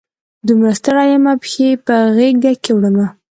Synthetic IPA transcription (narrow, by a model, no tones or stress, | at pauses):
d̪əmɾast̪aɽajamapə̥xepəɣeɡd̪akewɽəma